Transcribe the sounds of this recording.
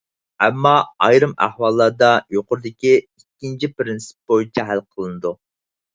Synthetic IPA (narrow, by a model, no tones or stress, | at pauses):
ɛmːɑɑjɾɨmæ̰hwɑlˠːɑɾd̪ɑjoqʊɾd̪ɪkʲiikʲːint͡ʃʰipɾɪnsɪ̥p̚b̥ojit͡ʃʰɛɦælqʰəlˠɨnɨd̪u